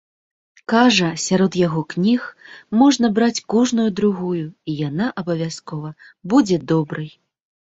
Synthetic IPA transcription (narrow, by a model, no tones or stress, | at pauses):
kaʐɐsʲaɾɔt̪jaɣɔknʲixmɔʐnɐbɾat͡sʲkɔʐnujud̪ɾuɣujuijanaʔɐbɐvʲaskɔvɐ | bud͡zʲɛd̪ɔbɾɨj